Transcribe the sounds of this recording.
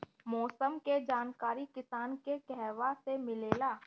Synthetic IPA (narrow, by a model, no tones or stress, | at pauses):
mɔːsəmked͡ʒaːnkaːɾikɪsaːnkekɛɦʋasemɪleːlaː